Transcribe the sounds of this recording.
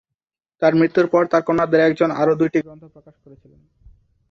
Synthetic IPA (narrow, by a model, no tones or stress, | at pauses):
t̪aɾmɾit̪ːuɾpɔɾt̪aɾkonad̪eɾɛk̚d͡ʑona̰ɾod̪ujʈiɡɾɔnt̪ʰopɾokaʃkoɾet͡ɕʰilen